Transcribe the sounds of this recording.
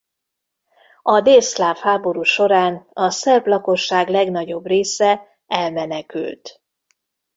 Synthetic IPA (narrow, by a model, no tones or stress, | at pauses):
ɒd̪eːslaːfhaːbo̞ɾuːʃo̞ɾaːnɒsɛrblɒko̞ʃːaːɡlɛɡnɒɟo̞breːsɛ | ɛlmɛnɛky̰lt̪